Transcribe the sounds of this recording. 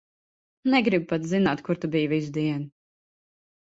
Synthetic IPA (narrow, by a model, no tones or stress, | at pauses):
nɛɡɾib̚pat̪zinaːt̪kuɾt̪ubijvizd̪iɛn